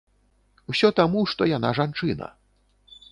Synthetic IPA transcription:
wsʲɔt̪amuʂt̪ɔjanaʐant͡ʂɨnɐ̰

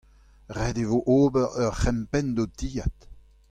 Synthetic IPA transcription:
ʁɛd̪evoʔoːbɛʁœʁχɛmpɛnd̪od̪iːat̪

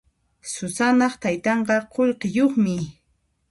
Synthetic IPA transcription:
sʊsanɑχt̪ajt̪ɑɴɢɑqoʎɢɪjoχmɪ

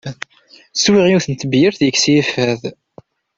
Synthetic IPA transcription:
swiʁiuθənt̪əbjəɾθjəksifæð

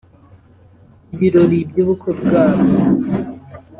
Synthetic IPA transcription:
iβiɾoɾibɟuːβukʰobɡaːβo

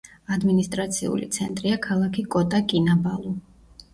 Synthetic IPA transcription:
ad̪minist̪ʼɾat̪sʰiṵlḭt̪sʰɛnt̪ʼɾiakʰalˠakʰikʼɔt̪ʼakʼinabalˠu

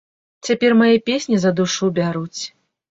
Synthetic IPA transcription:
t͡sʲapʲɛrmajɛpʲesʲnʲizɐd̪uʂubʲaɾut͡sʲ

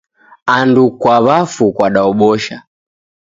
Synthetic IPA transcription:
andukwaβafukwaɗaɔɓɔʃa̰

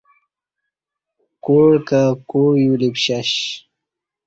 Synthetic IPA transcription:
koɽkakojulipɕaɕ

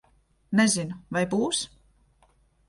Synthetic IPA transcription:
nɛzinuvajbuːs

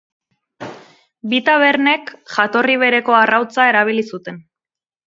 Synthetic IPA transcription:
bit̪aβ̞e̞ɾne̞kʝat̪o̞riβ̞e̞ɾe̞ko̞arawt͡sae̞ɾaβ̞ilisut̪e̞n

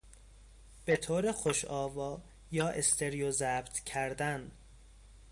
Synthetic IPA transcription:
b̥e̞t̪ʰoːɾexoʃɒːvɒː | jɒːʔest̪ʰe̞ɾijozæːbt̪ʰcʰæɾd̪æn

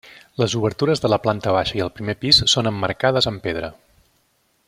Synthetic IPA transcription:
ləzuβəɾt̪uɾəzðələplant̪əβ̞aʃəiəlˠpɾimepissonəmːərkaðəzəmpeðɾə

